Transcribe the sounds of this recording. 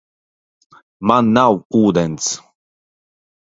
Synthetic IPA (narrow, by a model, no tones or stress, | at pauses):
manːawuːd̪ɛnt̪s